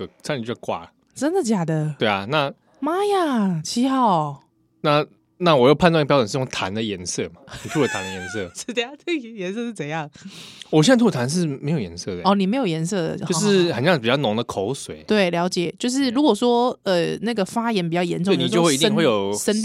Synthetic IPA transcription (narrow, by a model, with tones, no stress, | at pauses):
ksʰa˥˧ni˨t͡ɕo˥˧˩kwa̰˥˩ | ʈ͡ʂə˦˥nd̪ə˨t͡ɕja˨˩d̪ə˩we˥˩ɪa˨˩na˥˧ | ma˥ja˨˩t͡ɕʰi˧˥xa˥˩ʊ | na˥˧ | na˥˩wɔ˨˩jo˥˧pʰa˥˧nt͡s̪wpjɑ˥ʈ͡ʂə˨nʂ̩˥˧jo˥˧ŋt̪ʰa˧˦nd̪ə˨jɛ˧˦nsɤ˥˩ma˩i˨˩t̪ʰu˥˩lə˨˩t̪ʰa˧˦nd̪ə˧˨jɛ˧˥nsɤ˥˩˥t̪we˥˩˨t̪ʰjɛ˧˥˦nsɤ˥˧ʂɻ̩˥˩t͡sə˨˩jɑ˥˩ŋwɔ˨˩ɕɛ˥n˥t̪ʰt̪ʰa˧nʂ̬ɻ̩˥˩me˧˥ɪjo˨˩jɛ̰˧˦nsɤ˥˩d̪ə˨˩ɔ˥˩˨ni˨˩me˧˥ɪjo˨˩ʊjɛ˧˥ns̬ɤ˥˩d̪ə̰˩o˥˧ʊ˥˦ʂ̬ɻ̩˥xt͡ɕŋ˩pi˨˩t͡ɕɑ˥˩nʊ˧˥ŋd̪ə˨kʰo˧˦ʊswḛ˨˩ɪt̪we˥˩ɪljɑ˧˥ʊt͡ɕjɛ˨˩t͡ɕjo˥˧ʊʂ̬ɻ̩˥˩ɻu˧˥kwɔ˨˩ʂwɔ˥ə˨na˥˩ɡə˩fa˦˥jɛ˧˦np̬i˨˩t͡ɕjɑ˥˩ʊjɛ̰˧˥nʈ͡ʂo˥˨˧ni˨t͡ɕwi˧t̪ə˥˧ŋxwe˥˩jo˨˩ʊʂə˥n